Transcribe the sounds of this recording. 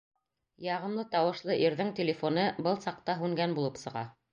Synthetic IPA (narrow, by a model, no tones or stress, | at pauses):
jɑʁɤ̆mlˠɤt̪ɑwɤ̆ʃlˠɤʔiɾðɘŋt̪ʲɪlʲɪfonɤbɤlˠsɑq̚t̪ɑɦʉŋɡænbulˠɤpsɤ̆ʁɑ̰